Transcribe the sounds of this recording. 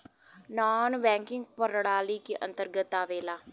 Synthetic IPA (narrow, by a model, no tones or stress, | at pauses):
naːnʋɛ̃ːŋkɪŋɡpəɾɽaːliːkiʔə̰̃nt̪əɾɡət̪ːaːʋeːlaː